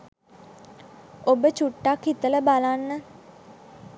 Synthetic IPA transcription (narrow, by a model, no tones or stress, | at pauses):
obət͡ʃuʈːakhit̪ələbalanːə